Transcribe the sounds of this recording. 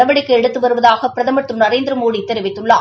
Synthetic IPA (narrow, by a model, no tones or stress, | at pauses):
ɐʋɐɽɪkːɯɛɽɯt̪ːɯʋɐɾɯʋɐðaːɣɐpːɪɾɐðɐmɐʈ̪ːɯnɐɾeːnd̪ɪɾɯmoːɽit̪ːɛɾɪʋɪt̪ːɯɭːaː